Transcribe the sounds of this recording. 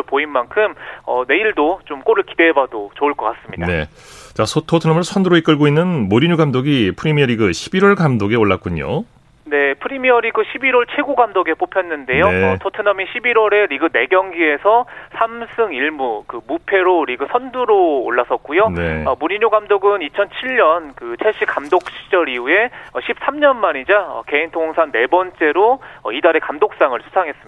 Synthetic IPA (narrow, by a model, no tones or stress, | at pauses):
poinmankʰɯmʌ̰ne̞iɭdot͡ɕomk͈oɾɯɭkidebadot͡ɕoɯɭk͈ʌk͈as͈ɯmɲḭndanḛ | t͡ɕasʰotʰotʰɯnamɯɭsʰʌnduɾoik͈ɯɭɡoinːɯnmoɾiɲuɡamdoɡipʰɯɾimiʌɾiɡɯɕʰibiɾwʌɭɡamdoɡe̞oɭːak͈̚uɲo̰ | ne̞pʰɯɾimiʌɾiɡɯɕʰibiɾwʌɭt͡ɕʰe̞ɡuɡamdoɡe̞p͈opʰjʌnːɯndejoetʰotʰɯnamiɕʰibiɾwʌɾe̞ɾiɡɯne̞ɡjʌŋɡie̞sʰʌsʰamsʰɯŋiɭmukɯmupʰe̞ɾoɾiɡɯsʰʌnduɾoːɭːas͈ʌt̚k͈ujoneʌmuɲiɲoɡamdoɡɯnit͡ɕʰʌnt͡ɕʰiʎɲʌnkɯt͡ɕʰeɕ͈ʰikamdok̚ɕ͈ʰi̥d͡ʑʌɾiue̞ʌɕʰip̚s͈amɲʌnmaɲid͡ʑaʌ̰ke̞intʰoŋsʰaŋne̞bʌnt͡ɕ͈e̞ɾoʌidaɾe̞kamdok̚s͈aŋɯɭsʰu̥sʰaŋɦe̞s͈ɯmia